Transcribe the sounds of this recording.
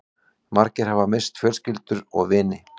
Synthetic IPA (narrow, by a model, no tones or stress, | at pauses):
maɾcɪɾ̥havamɪst̪fjœlscɪlt̪ʏɾɔɣvɪːnɪ